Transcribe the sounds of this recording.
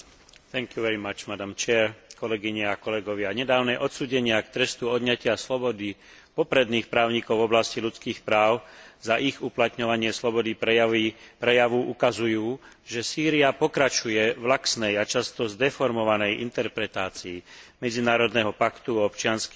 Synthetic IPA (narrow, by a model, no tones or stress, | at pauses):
θɛŋkjuʋɛɾimat͡ʃmad̪amt͡ʃɛɾkɔlɛɡiɲɛakɔlɛɡɔʋɪaɲɛd̪aːʊnɛʔɔt̪suːɟɛɲɪakt̪ɾɛst̪uɔd̪ɲacɪaslɔbɔd̪i | pɔpɾɛd̪niːxpɾaːʊɲikɔʊvɔblasciʎut͡skiːxpɾaːʊzaʔiɣuplat̪ɲɔʋaɲɪɛslɔbɔd̪iɛipɾɛjaʋuʔukazujuː | ʒɛsiːɾiapɔkɾat͡ʃujɛʋlaksnɛjat͡ʃast̪ɔzd̪ɛfɔɾmɔʋanɛjʔḭnt̪ɛɾpɾɛt̪aːt͡siːmɛd͡zinaːɾɔd̪nɛɦɔpakt̪uɔpt͡ʃɪansk